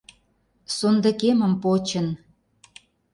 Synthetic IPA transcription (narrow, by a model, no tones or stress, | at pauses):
sond̪ə̆kemə̆mpot͡ɕə̆n